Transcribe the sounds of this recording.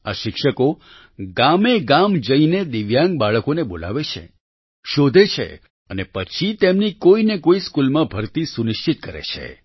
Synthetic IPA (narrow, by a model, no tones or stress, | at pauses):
aʃɪkʃəko | ɡameɡamd͡ʒəined̪iʋjãŋɡ̚baɭəkonebola̰ʋet͡ʃʰḛ | ʃod̪ʱet͡ʃʰḛ | ənepət͡ʃʰit̪emnikoinekoiskulmãbʱəɾt̪isunɪʃt͡ʃit̪̚kəɾḛt͡ʃʰḛ